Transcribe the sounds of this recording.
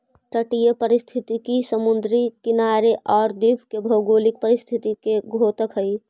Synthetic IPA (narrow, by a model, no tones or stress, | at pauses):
ʈəʈijəpəɾist̪ʰit̪ikisəmund̪ɾikinaɾeʔɔːɾd̪ibʰʱkebʱəɡolik̚pəɾist̪ʰit̪ikeɡʱot̪əkɦəi